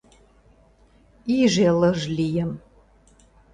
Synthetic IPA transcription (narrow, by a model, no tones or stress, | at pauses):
iʒeləʒlijəm